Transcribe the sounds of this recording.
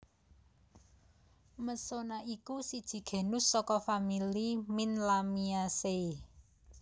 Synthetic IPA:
məsonaʔikusid̥ʒ̥i̤ɡ̥e̤nʊsːɔkɔfamiliminlamiase

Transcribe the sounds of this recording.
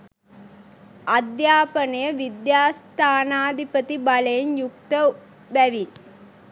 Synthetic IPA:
ɐd̪jaːpənɐjəʋid̪jaːst̪ʰaːnaːd̪ʱipət̪ibaləjenjuk̚t̪ə | bæʋin

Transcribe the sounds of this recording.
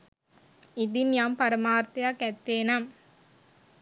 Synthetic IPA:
id̪injaːmpɐɾɐmaːɾt̪ɐjakɛt̪ːeːnam

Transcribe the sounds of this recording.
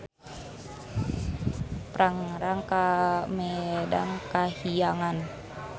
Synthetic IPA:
pɾaŋɾaŋkamɛda̰ŋkahijaŋan

